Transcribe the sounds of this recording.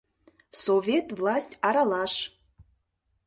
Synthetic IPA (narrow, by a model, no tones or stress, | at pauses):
sovʲetʰʼvlˠasʲtʲaɾalaʃ